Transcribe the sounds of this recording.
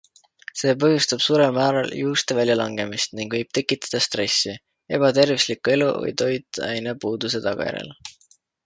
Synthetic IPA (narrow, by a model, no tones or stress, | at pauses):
se̞ːp̬ɤ̞ɦjust̪ɑb̥suːɾelmæːɾɑljuːst̪evælʲjɑlɑŋɡ̥e̞mist̪niŋɡ̥vɤjb̥̚t̪e̞kːˑit̪ːˑɑ̥d̪̥ɑst̪re̞sːi | e̞b̥ɑt̪e̞rvislikːˑue̞lṵvɤ̰jt̪o̞jt̪ˑːæjnepuːd̪̥use̞t̪ɑɡ̥ɑ̰jæ̰ɾḛl